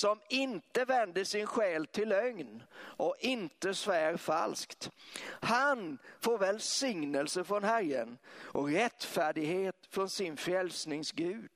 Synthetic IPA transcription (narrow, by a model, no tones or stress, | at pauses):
sɔmɪnt̪əvɛnd̪əʂɪnɧɛːlt̪ʰɪlœŋnʔɔɪnt̪əsvæːɾfa̰lskt̪hanfoːɾvɛlsɪŋnəlsəfɾɔnɦæɾə̰nʔɔkɾɛt̪ːfæːɖɪɡheːt̪fɾɔnsɪnfɾɛlsnɪŋsɡʉ̟ːd̪